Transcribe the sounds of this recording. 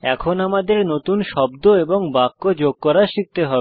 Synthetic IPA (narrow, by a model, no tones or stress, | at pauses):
ɛkʰonamad̪eɾnot̪unʃɔbd̪oeboŋbakːod͡ʑoɡ̚kɔɾaʃik̚t̪eɦɔbe